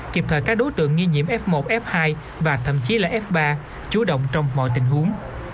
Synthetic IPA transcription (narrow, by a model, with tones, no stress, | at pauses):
ki˨˩əp̚t̪ʰəː˧˩jkaː˦˥k̚ɗo˨˦jt̪ɨ̰˧˨əŋːi˧ɲḭ˧˨əmʔɛ˦˥p̚mo˨˩t̚ʔɛ˦˥p̚haː˧j | vaː˨˩t̪ʰə̰˧˨mt͡ɕi˨˦laː˨˩ʔɛ˦˥p̚ɓaː˧ | t͡ɕu˨˦ɗə̰˧˨wŋ͡mt͡ɕɔ˧wŋ͡mmɔ̰˧˨jt̪ï˧˩ŋ̟ɦu˨˦əŋ